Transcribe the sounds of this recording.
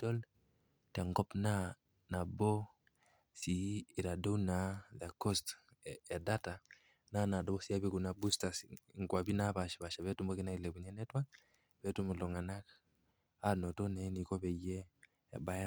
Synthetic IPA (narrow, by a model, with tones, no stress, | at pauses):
tɔ˦l | ta˨ŋɡɔ˦pna˦ | na˨bɔ˦ | siː˨ɾa˨dɔ˦wna˨ða˨kɔ˦st | ɛ˨da˦ta˨ | na˦na˨dɔ˦βɔ˦si˦a˦βi˦ku˨na˨busta˨sŋɡwa˨βi˦na˦βa˨ʃa˨βa˨ʃa˨βɛ˦tu˦mbɔ˦ki˦na˦i˨lɛ˨ku˨ɲɛ˦nɛ˦twa˦ | βɛ˦tu˦mu˨lɔ˨ŋa˨na˦k | a˦nɔ˨tɔ˦nɛ˦ni˨kɔ˦βɛ˨jɛ̰ː˦˨ | ba˦ja˦